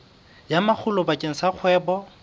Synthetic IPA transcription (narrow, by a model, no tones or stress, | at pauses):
jamak͡xʰʊlɔbakʼeŋ̩saq͡χʰwɛːbɔ